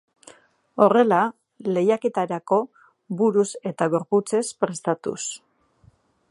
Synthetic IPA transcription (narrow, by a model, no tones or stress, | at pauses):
o̞re̞la | le̞jake̞t̪aɾako̞ | buɾuse̞t̪aɣo̞ɾput͡se̞spɾe̞st̪at̪ṵs